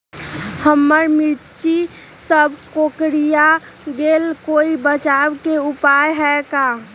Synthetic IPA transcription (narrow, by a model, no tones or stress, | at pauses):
həmːəɾmiɾt͡ʃi | səbʱkokɾija | ɡelkoibət͡ʃabkeupajɦɛka